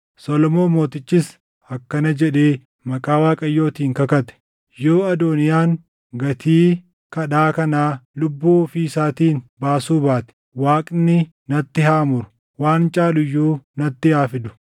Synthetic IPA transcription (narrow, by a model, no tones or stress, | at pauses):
sɔlɔmo̞ːmoːt̪ɪt͡ʃːɪs | ɐkːɐnɐd͡ʒɛᶑeː | mɐkʼaːwaːkʼɐjːo̞ːt̪iːŋkɐkɐt̪ɛ̥ | jo̞ːɐd̪oːnɪjaːŋ | ɡɐt̪ʰiː | kɐɗaːkɐnaːlʊbːuːfiɪsaːt̪iːnbaːsuːbaːt̪ɛ̥ | waːkʼnɪ | nɐt̪ːɪɦaːmʊɾʊ̥ | waːnt͡ʃʼaːlʊjːuːnɐt̪ːɪhaːfɪd̪ʊ̥